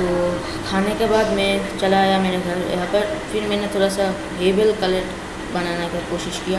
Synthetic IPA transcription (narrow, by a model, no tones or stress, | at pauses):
t̪oː | kʰaːnekebaːd̪mɛ̃t͡ʃɐlaːjameːɾeɡʱɐɾ̰apɐɾfʰɪɾmɛ̃ːnet̪ʰoːɽasa | ɦeːbəlkɐleʈ | bɐnaːnekikoːʃɪʃkija